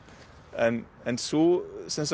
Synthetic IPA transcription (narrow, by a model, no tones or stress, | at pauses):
ə̃m | ə̃nsosɪ̃ns